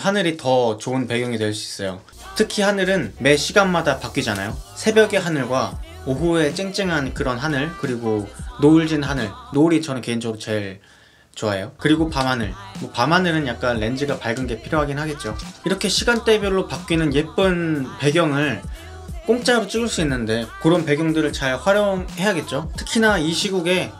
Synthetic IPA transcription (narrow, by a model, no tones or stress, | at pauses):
hanɯɾitʌt͡ɕoɯnpe̞ɡjʌŋitwe̞ɭs̬͈uis͈ʌjo | tʰɯkʰihanɯɾɯnme̞ɕʰiɡanmadapak͈id͡ʑana̰josʰe̞bjʌɡeɦanɯɭɡwa | oɦue̞t͡ɕ͈eŋt͡ɕ͈eŋɦankɯɾʌnɦanɯɭkɯɾiɡonoɭd͡ʑinɦanɯɭnoɾit͡ɕʰʌnɯnke̞ind͡ʑʌɡɯɾot͡ɕe̞ɭ | t͡ɕoajokɯɾiɡopamɦanɯ̰ɭmwʌpamɦanɯɾɯnjak̚k͈anːe̞nd͡ʑiɡapaɭɡɯnɡe̞pʰiɾjoɦaɡinɦaɡe̞t̚t͡ɕ͈oiɾʌkʰe̞ɕʰiɡant͈e̞bjoɭːopak͈inɯnje̞p͈ɯnpe̞ɡjʌŋɯɭ | k͈oŋt͡ɕ͈aɾot͡ɕ͈iɡɯɭs͈uinːɯnde̞kɯɾʌnpe̞ɡjʌŋdɯɾɯɭt͡ɕaɭɸwaɾjoŋhe̞jaɡe̞t̚t͡ɕ͈otʰɯ̥kʰinaiɕʰiɡuɡe̞